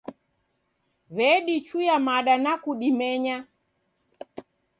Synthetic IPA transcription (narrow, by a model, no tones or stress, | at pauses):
βɛɗit͡ʃujamaɗanakuɗimɛɲa